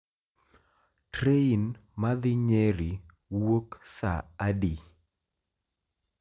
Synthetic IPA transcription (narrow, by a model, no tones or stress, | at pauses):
tɾeinmaðɪɲeɾi | woksa̰ːdi